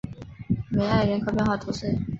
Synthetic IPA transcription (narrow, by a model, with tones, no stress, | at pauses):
me˨˧˥ɪa˥˩ɪɥɛ˧˥nkʰɤ˥pjɛ˥˧nxwɑ˥˩t̪ʰu˧˥ʂ̩˥˩